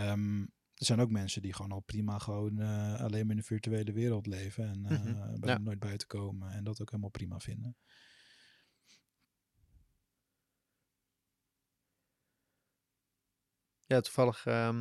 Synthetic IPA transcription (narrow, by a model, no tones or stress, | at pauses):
m | dəz̥ɛjnowkmɛnsədiχʋoːnɔlˠprimaχəʋowna̰lejmaɹɪnənfiɹtyejləʋɪːɾəlˠtlejvəɛnbɛmnoːjd̚bœɥtə̥kowməɛndɔtowkɦeːlˠəmalˠprima̰fɪndə | jaːtuvɑləxə